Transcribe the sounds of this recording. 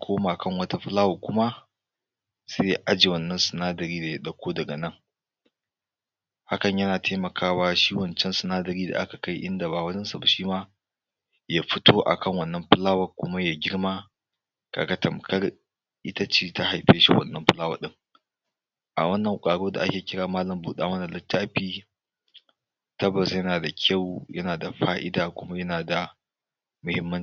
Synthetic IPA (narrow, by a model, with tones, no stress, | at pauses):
kʷʰoː˦maː˨kɐ˦˨ŋwɐ˦ta˦ɸɪ˦laː˦wɐ˨kʷʊ˦ma˦ | se˦ja˦ʔa˦d͡ʒe˨wɐ˦nːɐ˦nsɪ˨naː˦dɐ˨ɾiː˦da˨ja˦ɗɐ˨kʷoː˦dɐ˨ɡɐ˨nɐ˦ŋ | ha˦kɐ˨ɲjɐ˦naː˨tʰeː˦mɐ˨kʰaː˦waː˦ʃiː˦wɐ˨nt͡ʃɛ˦nsɪ˨naː˦dɐ˨ɾiː˦da̰˨ʔa̰˦ka˨ka˦jʔɪ˦nda˨ba˨wɐ˦d͡ʒɐ˦nsa˨ba˨ʃiː˦maː˦ | jaː˦ɸɪ˦toː˦ʔa̰˨kɐ˦ŋwɐ˦˨nːɐ˦mɸɪ˦laː˦wɐ˨kʷʊ˦ma˦jaː˨ɡʲɪ˦rmaː˦ | ka̰˨ɡɐ˦tɐ˨mkɐ˦r | ʔɪ˦tɐ˦t͡ʃiː˨ta˦ha˨jɸeː˦ʃḭ˦wɐ̰˦˨nːɐ˦mɸʊ˦laː˦wɐ̰˨ɗɪ˦ŋ | ʔa̰˨wɐ˦nːɐ˨ŋkʷʼaː˨ɽoː˦da̰˨ʔa˦kʲeː˨kʲɪ˦ɽaː˨maː˦lɐ˨mbuː˨ɗaː˦mɐ˦na˨lɐ˦tːaː˦ɸiː˦ | tɐ˦bɐ˨sjɐ˦naː˨da˨kʲʰa˦˨wjɐ˦naː˨da˨ɸaː˦ʔɪ̰˦daː˨kʷʊ˦ma˦jɐ˦naː˨da˨ | mʊ˨hɪ˦mːɐ˦n